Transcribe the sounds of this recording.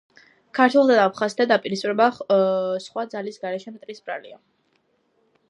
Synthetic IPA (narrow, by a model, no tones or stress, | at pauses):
kʰaɾt̪ʰwɛlˠzʰad̪aːpʰχazit̪ʰad̪apʼiɾispʼiɾɛba | sχwad̪zalisɡaɾɛʃɛmt̪ʼɾisbɾa̰lḭa